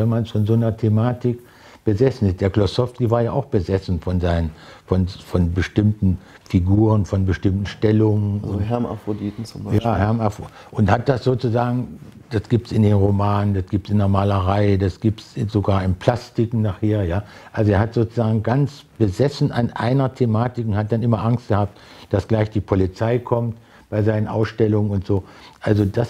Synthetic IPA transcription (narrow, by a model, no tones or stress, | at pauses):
vɛnmansfɔnzoːnɐtʰemaːtɪk | b̥əzɛsn̩ɪstd̥eːɐklɔsɔftkivaːɐjaːʔaʊxb̥əzɛsn̩fɔnzaɪnənfɔnfɔnbəʃtɪmtn̩ | fiɡuːʁənfɔnbəʃtɪmtn̩ʃtɛlʊŋənʊnɦɛɐma̰fʁodiːtn̩t͡sʊmbjaːhɛɐmafo | ʔʊnthat̚d̥asz̥oːt͡suzaːɡŋ̩ | d̥asɡ̥iːp̚tsɪndeːnʁomaːnəndasɡ̥iːp̚tsɪndeɐmaːləʁaɪdasɡ̥iːp̚tszoɡaːɐɪmpʰl̥astɪkŋ̩naχheːɐjaːʔalzoeːɐhatz̥oːt͡suzaːɡŋ̩ɡant͡sb̥əzɛsn̩ʔanʔa̰ɪnɐtʰemaːtɪkʊnhat̚d̥anʔɪmɐʔaŋstɡ̥əhaːp̚td̥asɡ̥laɪçd̥iːpʰolit͡saɪkʰɔmt | b̥aɪzaɪnənʔa̰ʊsʃtɛlʊŋənʊntz̥oːʔalzodas